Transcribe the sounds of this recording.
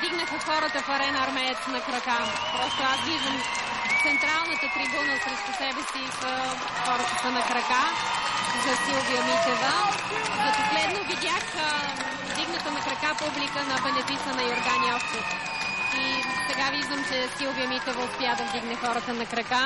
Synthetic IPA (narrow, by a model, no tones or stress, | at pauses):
vd̪iɡnɐxəxɔɾət̪əfɐɾɛnɐɐɾmɛjət̪nɐkɾɐka | pɾɔst̪oasviʒd̪əm | t̪sɛnt̪ɾalˠnit̪ət̪ɾibunəsɾɛʃt̪usɛbɛsisə | xɔɾət̪əsɐnɐkɾɐka | zɐsilˠviəmit̪ɛvə | zɐposlɛd̪novid̪ʲjax | vd̪iɡnɐt̪ənɐkɾɐkapublikənɐbɛnɛpisənɐioɾɡaniɔft̪ot | isɛɡaviʒd̪əmt͡ʃɛsilˠvijɐmit̪ɛvɐʊspiad̪ɐvd̪iɡnɛxɔɾət̪ənɐkɾɐka